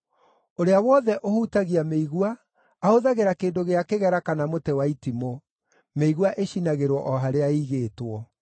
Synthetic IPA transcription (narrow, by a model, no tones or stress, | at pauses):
oɾeawɔðɛʔohutaɣiameiɣwaː | oðaɣeɾakeːndoɣeakeɣɛɾakanamotɛwaitimo | meiɣwaʔeɕinaɣeɾwɔʔɔɦaɾeaiɣeːtwɔ